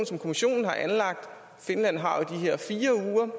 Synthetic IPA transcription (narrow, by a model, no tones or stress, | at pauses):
nsɒ̽mkʰo̝miɕo̝̰ːnn̩ɦɑ̈ʔænlɑ̈ɡ̥̚d̥ | fe̝nlæn̰ɦɑ̈id̥iɦeɐ̰fiːɐuːɐ